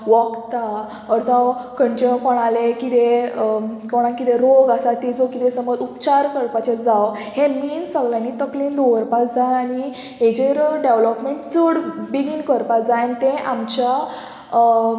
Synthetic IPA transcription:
ʋəkt̪a | ɔɾd͡zãwkəɳʈinkɔɽ̃alekit̪e | kɔɽ̃ãkit̪eɾoɡasat̪id͡zɔkit̪ẽsəməd͡zupt͡ɕaɾkəɾpat͡ɕed͡zaw | hemiːnsəɡljãnːit̪əklĩnd̪ɔʋəɾpat͡sd͡zaañi | ɦed͡ʑeɾɖeʋlɔpmeɳʈd͡zəɽbiɡinkəɾpat͡sd͡zant̪ẽʔamt͡ɕa

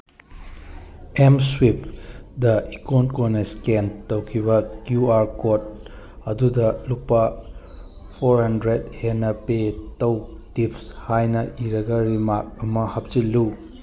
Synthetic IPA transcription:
emswipdɐikonkoneskentɐwkʰibɐkjuaɾkot̚ | ɐdudɐlupːɐ | pʰoɾhɐndɾedhenɐpetɐw | tipshajnɐʔiɾɐɡɐɾimak̚ɐmɐhɐp̚silːu

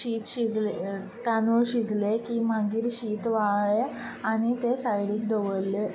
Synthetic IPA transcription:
ɕiːt̪ɕid͡zle | t̪anuɭɕid͡zlekiːmaɡiːɾɕiːt̪ʋaɭe | añit̪esajɽiːk̚d̪əʋəɭle

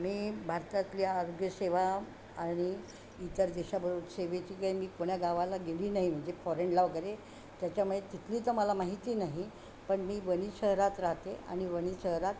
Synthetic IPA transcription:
m̤iːbʱaɾt̪ak̪lijaːɾoɡjəseʋa | aɽ̃iː | t̪əɾd̪eɕabəɾot̪seʋet͡ɕiːkəemiːkoɳ̃jaɡaʋalaɡeliːnaɦim̤əɳd͡zefɔɾeɳlaʋkəɾe | t̪jat͡ɕamuɭet̪it̪ʰliːt̪əməlamaɦit̪iːnaɦi | pəɳmiːʋəñiɕəɦɾat̪ɾaɦt̪eʔa̰ɽ̃iʋəñiɕəɦɾat̪

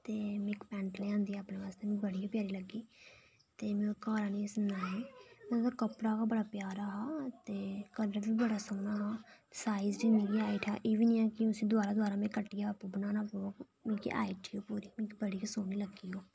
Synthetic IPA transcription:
t̪eːmɪkpɛ̃ːɳʈleːãːnd̪iːɛaːpɳẽːʋaːst̪eːmẽbəɽijaːpjaːɾiːləɡiː | t̪eːmẽkaːɾaːnĩːsənaːeːmẽt̪əɾkəpɽaːkaːbəɽaːpjaːɾaːɦaːt̪eːkələɾbiːbəɽaːsəːnaːɦaː | saːizd͡ʒiːnĩːkiaːiʈʰa̰ːʔeːʋiːnĩːãːkɪʊsĩːd̪ʊaːɾaːd̪ʊaːɾaːmẽːkəʈːijapoːbənaːnaːpoːk | mĩːkḭʔa̰ːiːʈʰioːpuːɾiːmĩːkːbəɽiːkəsoːniːləɡiːɦoː

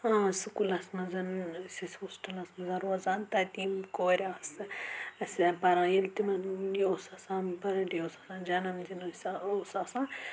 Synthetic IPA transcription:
ãːsɨkulɐsmɐzɐnsisoːsʈɐlɐsmɐzɐɾoːzaːnt̪ɐt̪iːmkoːɾʲaːsɨɐspɐɾãːjilt̪imɐnjoːsɐsãːmpɐɾɐɖjoːsasãːnd͡ʒɐnɐmzinosaoːsaːsãː

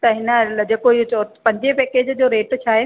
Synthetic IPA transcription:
t̪ɐɦɪnəd͡ʑeːkoiɦut͡ɕpɐ̃ɲd͡ʑepeːkeːd͡ʑd͡ʑoːɾeːʈt͡ɕʰaːɦe

